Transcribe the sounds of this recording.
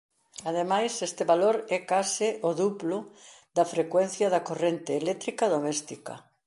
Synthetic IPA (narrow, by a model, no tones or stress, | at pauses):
að̞emajsest̪ɪβaloɾɛkasɪʔoðuplʊ | d̪ɐfɾekwen̟θjɐðɐkorent̪eːlɛt̪ɾikaðomɛst̪ikɐ̰